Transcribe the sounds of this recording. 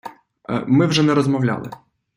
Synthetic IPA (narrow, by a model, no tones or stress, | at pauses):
mɪwʒɛnɛɾɔzmɔwlʲa̰lˠɪ̰